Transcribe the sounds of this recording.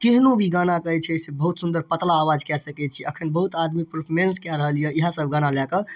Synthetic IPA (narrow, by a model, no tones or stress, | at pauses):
keɦnobʱiɡanakəjt͡ʃʰɛsebəɦut̪sund̪əɾpət̪laːʋad͡ʒkɛsəkɛt͡ʃʰiʔəkʰənbəɦut̪ad̪mipɾpʰɔɾenskaɾəɦəljəiɦãsəbʱɡanalɛkə